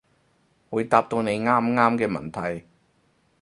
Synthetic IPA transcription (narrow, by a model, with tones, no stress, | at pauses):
wuː˨˧jt̪aː˨˧p̚t̪o˧wne˨˧jŋaː˥mŋaː˥mkɛː˧mɐ̰˨˩nt̪ʰɐ˨˩j